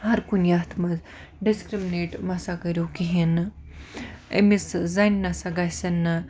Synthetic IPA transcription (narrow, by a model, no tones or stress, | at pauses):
ɦɐɾkunjat̪ʰmɐz | ɖiskɾimineʈmɐsakɐɾjokiɦin | ḛmiszajnnɐsaɡasɐnɨ